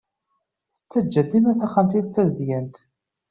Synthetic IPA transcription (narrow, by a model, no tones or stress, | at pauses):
θət͡sːæd͡ʒːæd̪ːimæθæχːamt̪it͡sːæzd̪jænt̪